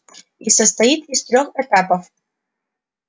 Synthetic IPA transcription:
isəst̪ɐit̪ist̪ɾʲoxɛt̪apəf

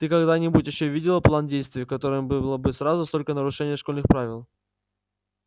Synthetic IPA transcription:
t̪ɨkɐɡd̪anʲɪbutʲjɪɕːɵvʲidʲɪlˠəplˠandʲejst̪vʲɪəkɐt̪o̞ɾɨmbɨlˠəbɨsɾazʊst̪o̞lʲkənəɾʊʂɛnʲɪjəʂkolʲnɨxpɾavʲɪlˠ

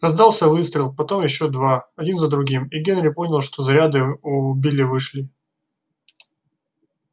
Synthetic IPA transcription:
rɐzd̪ɑlˠsʲəvɨst̪ɾʲɪlˠpɐt̪o̞mjɪɕːo̞d̪vaɐdʲinzəd̪ɾʊɡʲimiɡʲe̞nɾʲɪpo̞nʲɪlˠʂt̪o̞zɐɾʲad̪ɨʊbʲilʲɪvɨʂlʲɪ

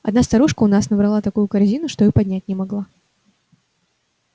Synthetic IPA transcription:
ɐd̪nast̪ɐɾuʂkəʊnasnəbɾɐlˠat̪ɐkujʊkɐɾzʲinʊʂt̪oipɐdʲnʲætʲnʲɪmɐɡlˠa

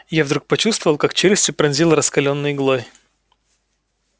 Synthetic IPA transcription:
javd̪ɾuk̚pɐt͡ɕust̪vəvəlˠkakt͡ɕelʲɪsʲtʲɪpɾɐnʲzʲilˠɾəskɐlʲonːɨjɡlˠoj

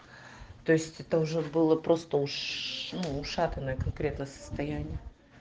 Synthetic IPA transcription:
t̪o̞ɪsʲtʲɛt̪əʊʐɛbɨlˠəpɾo̞st̪əʊʂnuːʂat̪ənəjəkɐnkɾʲe̞t̪nəjəsə̥st̪ɐjænʲɪjə

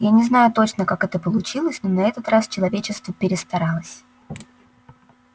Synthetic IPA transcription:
janʲɪznajʊt̪o̞t͡ɕnəkakɛt̪əpəlˠʊt͡ɕilˠəsʲnonɐɛt̪ət̪rast͡ɕɪlˠɐvʲet͡ɕɪst̪vəpʲɪɾʲɪst̪ɐɾalˠəsʲ

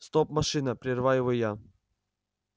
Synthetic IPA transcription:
st̪opmɐʂɨnəpɾʲɪrvajɪvoja

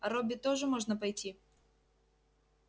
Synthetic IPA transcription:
ɐɾɔbʲit̪ɔʐɨmɔʐnɐpajtʲi

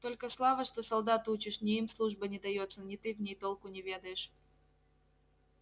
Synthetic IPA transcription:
t̪o̞lʲkəslˠavəʂt̪osɐlˠd̪at̪ut͡ɕɪʂnʲɪimslˠuʐbənʲɪd̪ɐjo̞t̪sənʲɪt̪ɨvnʲejt̪olˠkʊnʲɪvʲe̞d̪əjɪʂ

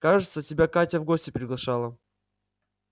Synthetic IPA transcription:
kaʐɨt̪sətʲɪbʲakatʲəvɡosʲtʲɪpɾʲɪɡlˠɐʂalˠə

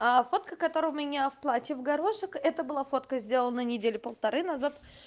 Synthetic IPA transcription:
afo̞t̪kəkɐt̪o̞ɾəʊmʲɪnʲafplˠatʲɪvɡɐɾo̞ʂɨkɛt̪əbɨlˠafo̞t̪kəzʲdʲe̞lˠənənʲɪdʲelʲɪpəlˠt̪ɐɾɨnɐzat̪

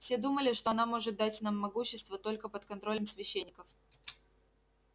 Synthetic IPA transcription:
fsʲed̪uməlʲɪʂt̪oɐnamo̞ʐɨt̪̚d̪atʲnamːɐɡuɕːɪst̪vət̪o̞lʲkəpət̪kɐnt̪ɾo̞lʲəmsvʲɪɕːenʲːɪkəf

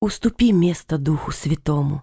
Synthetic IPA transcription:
ʊst̪ʊpʲimʲest̪ɐd̪uxʊsʲvʲɪt̪ɔmʊ̰

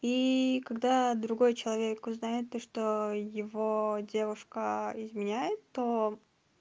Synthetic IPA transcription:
ikɐɡd̪ad̪ɾʊɡo̞jt͡ɕɪlˠɐvʲekʊznajɪt̪ːoʂt̪ojɪvo̞dʲevʊʂkəɪzmʲɪnʲæjɪt̪ːo

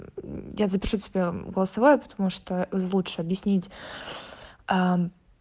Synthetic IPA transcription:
jazəpʲɪʂutʲɪbʲeɡəlˠəsɐvojʊpə̥t̪ɐmuʂt̪olˠutʂɨɐbjɪsʲnʲitʲ | a

